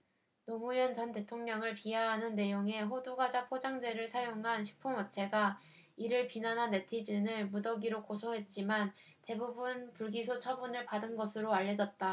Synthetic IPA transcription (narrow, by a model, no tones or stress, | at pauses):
nomujʌnt͡ɕʌnte̞tʰoŋɲʌŋɯɭpiaɦanɯnːe̞joŋe̞ɸoduɡad͡ʑapʰod͡ʑaŋd͡ʑe̞ɾɯɭsʰajoŋɦanɕʰi̥k̚pʰuŋwʌt͡ɕʰe̞ɡa | iɾɯɭpinanɦanːe̞tʰid͡ʑinɯɭmudʌɡiɾokosʰoɦe̞t̚t͡ɕ͈iman | te̞bubunpuɭɡisʰot͡ɕʰʌbunɯɭpadɯnɡʌsʰɯɾoaʎːʌd͡ʑʌt̚t͈a